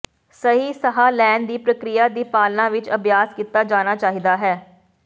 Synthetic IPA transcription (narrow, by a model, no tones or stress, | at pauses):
səɦiːsəɦaːlɛːnd̪iːpɾəkɾɪjaːd̪iːpaːlnãːʋɪt͡ʃəbjaːskiːt̪ːaːd͡ʒaːnaːt͡ʃaːɦiːd̪aːɦɛː